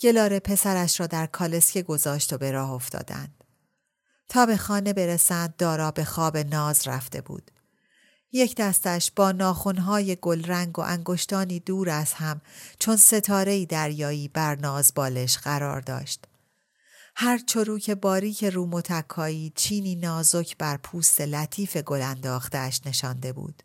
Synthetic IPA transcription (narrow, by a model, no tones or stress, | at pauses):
ce̞lɒːɾe̞pʰe̞sæɾæʃɾɒːd̪æɾkʰɒːle̞sce̞ɡo̞zɒːʃt̪o̞be̞ɾɒːhoft̪ɒ̰ːd̪æ̰nd̪̥ | t̪ʰɒːbe̞xɒːne̞be̞ɾesænd̪̚ːɒːɾɒːbe̞xɒːbe̞nɒːzræ̰ft̪e̞̰bṵːd̪̥ | jecʰd̪æst̪æʃb̥ɒːnɒːxonɦɒːjeɡo̞lɾæŋɡo̞̰ʔæŋɡo̞ʃt̪ɒːniːd̪uːɾæshæmt͡ʃʰo̞nse̞t̪ʰɒːɾe̞iːd̪æɾjɒːiːbæɾnɒːzbɒːle̞ʃɢæɾɒ̰ːɾd̪ɒ̰ːʃt̪ | hæɾt͡ʃʰo̞ɾuːcʰe̞bɒːɾiːcʰe̞ɾuːmo̞t̪ʰækʰːɒːiːt͡ʃʰiːniːnɒːzo̞cʰbæɾpʰuːst̪e̞læt̪ʰiːfe̞ɡo̞lænd̪ɒːxt̪æʃne̞ʃɒnd̪e̞bṵːd̪̥